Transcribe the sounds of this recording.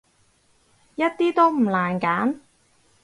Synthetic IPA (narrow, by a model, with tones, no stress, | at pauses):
jɐ˥t̚t̪iː˥t̪o˥wm̩˨˩laː˨˩nkaː˨˥n